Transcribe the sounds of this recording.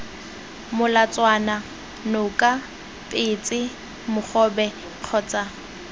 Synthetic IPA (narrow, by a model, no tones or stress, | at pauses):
mʊlat͡sʼwana | nʊkʼa | tʼɪt͡sʼɪ | mʊχɔbɛ | q͡χʰɔːt͡sʼa